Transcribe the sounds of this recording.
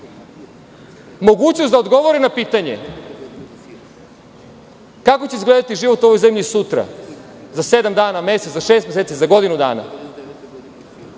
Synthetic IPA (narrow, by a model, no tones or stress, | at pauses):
mo̞ɡuːt͡ɕnost̪d̪aod̪ɡo̞ʋo̞ɾinapiːt̪aɲe̞̰ | kako̞t͡ɕeizɡled̪at̪iʒiʋo̞t̪uo̞ʋo̞jze̞mʎisut̪ɾa̰ | zased̪amd̪aːname̞set̪zaʃe̞ːst̪mʲjeseːt̪izaɡo̞d̪inud̪a̰ːna̰